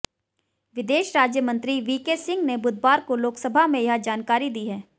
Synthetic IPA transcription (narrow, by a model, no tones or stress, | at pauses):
ʋɪd̪eːʃɾaːd͡ʒjəmə̃nt̪ɾiʋiːkesɪ̃ŋɡnebʊd̪ʱbaːɾkoloːksəbʱamẽjɐɦd͡ʒaːnkaːɾid̪iːɦɛː